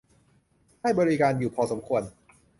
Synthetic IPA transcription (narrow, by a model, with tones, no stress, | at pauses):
ha˥˩jbɔː˧ɾi˦˧kaː˧njuː˨˩pʰɔː˧so˩˦mkʰu˧ən